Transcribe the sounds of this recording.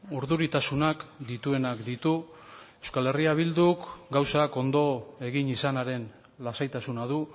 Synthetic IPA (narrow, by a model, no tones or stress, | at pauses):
uɾðuɾit̪asunakd̪it̪ue̞nakd̪it̪u | ewskale̞riaβ̞ild̪ukɡawsako̞nd̪o̞e̞ɣinisanaɾe̞n | lasajt̪asunaðu